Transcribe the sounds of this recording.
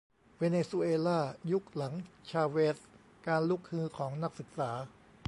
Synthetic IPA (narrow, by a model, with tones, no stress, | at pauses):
weː˧neː˧su˧ʔeː˧laː˥˩ju˦˥k̚la˩˦ŋt͡ɕʰaː˧weː˦˥s | kaː˧nlu˦˥˩k̚hɯː˦˥˩kʰɔː˩˦ŋna˦˥k̚sɯ˨˩k̚saː˩˦